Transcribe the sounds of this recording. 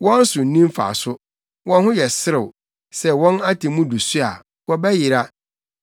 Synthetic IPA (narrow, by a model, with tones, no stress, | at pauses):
wɔ̃˦n̩˦sʊ̃˨n̩˨˦nĩ˦m˦fa̰˨sʊ˦ | wɔ̃˦nhʊ̃˦jɛ˨sɪ˦ɾɪ˨ | sɛ˦wɔ̃˦na˦tʰi˨mũ˦du˨su˦a̰˨ | wɔ˦bɛ˦jɪ˨ɾa˦